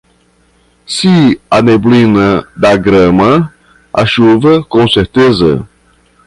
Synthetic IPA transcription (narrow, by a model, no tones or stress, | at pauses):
siɐneblĩnɐd̪ɐɡɾɐ̃mɐ | ɐʃuvɐkõseɾt̪ezɐ̰